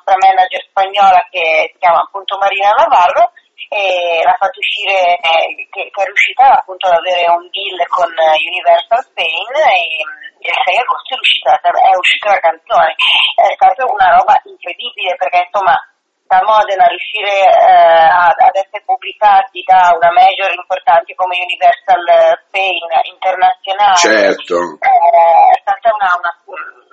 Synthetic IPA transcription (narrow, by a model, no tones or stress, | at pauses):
t̪ɾamɛnːad͡ʒerspaɲːɔːlakesi̥kjaːmaːpːunt̪omaɾiːnanavarːo | elafːat̪ːouʃːiːɾekekɛrjuʃiːt̪aːpːunt̪oad̪aveːɾeumbilːkonunivɛrsalspejneelsɛjaɡost̪oɛɾjuʃːiːt̪aat̪aɛuʃːi̥ːt̪alakant̪soːneɛst̪aːt̪aunaɾɔːbaʔiŋkɾed̪iːbileperk̟einsomːa | lamɔːd̪enarjuʃːiːɾe | aad̪ɛsːeɾepubːlikat̪id̪aunamɛd͡ʒoɾimport̪ant̪ekomeunivɛrsalspejnḭnt̪ernat̪sːjonaːleɛɾoɛɛst̪aːt̪aunauna